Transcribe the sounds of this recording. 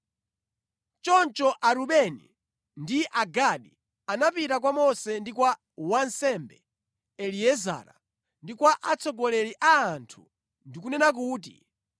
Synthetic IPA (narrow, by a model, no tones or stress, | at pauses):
t͡ʃɔnt͡ʃɔʔaɾuɓɛnḭ | ndiʔaɡaɗi | anapitak̬wamɔsɛndikwa | wansɛmbɛ | ɛliɛza̰ːɾa̰ | ndikwaʔat͡sɔɡɔlɛɾiʔaːntʰu | ndikunɛnak̬uːt̬ḭ